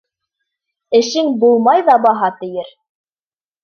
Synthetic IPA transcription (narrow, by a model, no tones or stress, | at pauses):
ɘ̆ʃɘŋbulˠmɑjðɑbɑɦɑt̪ɘ̆jɘɾ